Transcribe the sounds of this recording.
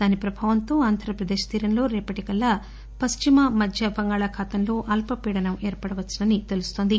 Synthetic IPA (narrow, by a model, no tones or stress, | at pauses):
d̪̥aːnipɾɐbʱaːʋɐnt̪o̞ːaːnd̪ʱɐɾɐpɾɐd̪eːʃt̪iːɾɐnlo̞ːɾɛːpɐʈikɐlːɐ | pɐst͡ʃimɐmɐd̪ʱjɐbɐŋɡaːɭakʰaːt̪ɐnlo̞ːʔɐlpɐpiːɽɐnɐmeːɾpɐɽɐʋɐt͡ʃːɐnɐnit̪e̞lust̪o̞ːnd̪i